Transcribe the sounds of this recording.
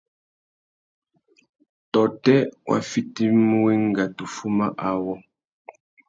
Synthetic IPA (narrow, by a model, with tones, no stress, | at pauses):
tɔ˨tɛ˦wʔa̰˨fi˦ti˦m˦wi˦ŋ˦ɡa˨tu˨fu˦ma˦ʔa˨wɔ˦